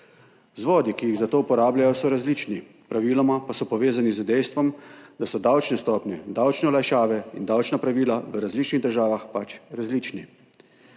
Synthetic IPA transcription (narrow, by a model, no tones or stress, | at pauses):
zʋɔːd̪ikijiɣzat̪oːupɔɾaːblajɔsɔɾazliːt͡ʃni | pɾaʋiːlɔmapasɔpɔʋeːzanizəd̪ɛjst̪ʋɔmd̪asɔd̪awt͡ʃnɛst̪ɔːpnʲɛd̪awt͡ʃnɛɔlaʃaːʋɛḭnd̪awt͡ʃnapɾaʋiːlaʋəɾazliːt͡ʃniɣd̪əɾʒaːʋaxpat͡ʃɾazliːt͡ʃni